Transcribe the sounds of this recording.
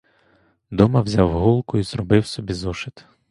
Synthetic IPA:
d̪ɔmɐwzʲawɦɔlˠkʊizrɔbɪwsɔbʲizɔʃɪt̪

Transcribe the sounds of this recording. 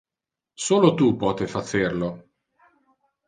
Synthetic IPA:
soːlot̪upɔːt̪efat͡ʃerlo

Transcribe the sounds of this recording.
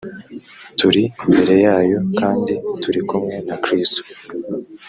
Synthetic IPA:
tuɾiimbe̞ɾe̞jaːjo̞kaːndituɾikumŋe̞nakɾiːsto̥

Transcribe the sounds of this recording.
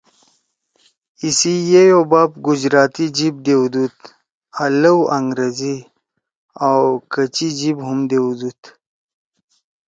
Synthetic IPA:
isijejobaːb̚ɡʊd͡ʑɾaːt̪id͡ʑib̚d̪ewd̪ut̪ | aləwaŋɡɾezi | awkət͡ɕid͡ʑibɦumd̪ewd̪ut̪

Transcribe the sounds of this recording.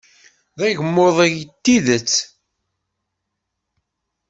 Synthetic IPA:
ðæʝəmːoðˤæjət̪ːiðət͡sː

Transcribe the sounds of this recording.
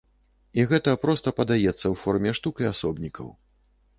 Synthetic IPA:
iɣɛt̪ɐpɾɔst̪ɐpɐd̪ajɛt̪sːɐwfɔrmʲɛʂt̪ukiasɔbnʲikʰɐ̰w

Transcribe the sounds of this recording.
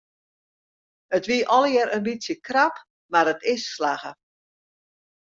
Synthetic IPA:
ətʋiəʔɔlˠəjɛɾənbitsjəkrap | maɾətɪsːlaɣə

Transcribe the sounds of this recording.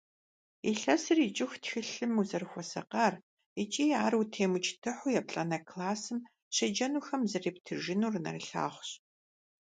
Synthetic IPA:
iɬɐsɨrit͡ʃʼɪxtxɨɬɨmuzɐrxʷɔsɐ̰qɐːr | it͡ʃʼiːaːrutʰeːmʊt͡ʃʰtʰɨħʊjɛp̚ɬʼɐnɐkʰlaːsɨm | ɕʰɐd͡ʒɐnuːxɐmzɨreːp̚tʰɨʒɪnuːrɨnɐ̰rɨɬa̰ːχʷʊɕ

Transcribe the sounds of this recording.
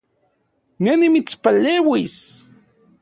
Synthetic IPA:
nenimit͡spaleːwis

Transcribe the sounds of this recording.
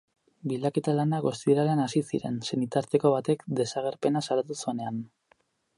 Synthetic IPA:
bild̪ake̞t̪alanaɣo̞st̪iɾaleanasisiɾe̞nse̞nit̪aɾt̪e̞ko̞βat̪e̞kd̪e̞saɣ̞e̞ɾpe̞nasaɾat̪usuene̞an

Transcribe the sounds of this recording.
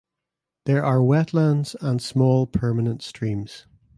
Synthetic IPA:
ðə˞ʔa˞wɛʔˡlãndz̥ə̃nsmɔːlˠpʰɜ˞mənə̃ntstɹ̥ĩmz̥

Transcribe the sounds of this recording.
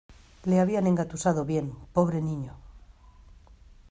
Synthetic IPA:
leaβ̞iane̞ŋɡat̪usað̞oβje̞mpo̞β̞ɾe̞nĩɲo

